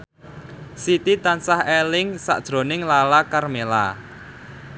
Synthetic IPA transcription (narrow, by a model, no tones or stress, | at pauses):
sit̪it̪ansahelɪŋsa̰ʔd̥ʒ̥ɾo̤nɪŋlalakarmela̰